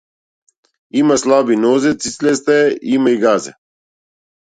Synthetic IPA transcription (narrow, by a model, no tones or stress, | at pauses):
iːmɐslaːbinoːzet͡sit͡sles̬t̪eiːmɐiɡaːzḛ